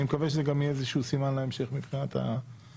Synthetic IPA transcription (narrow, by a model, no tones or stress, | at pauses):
imekaveʃezeɡamiezeʃuusimanlaemʃe̞χmibχinat̪ha̰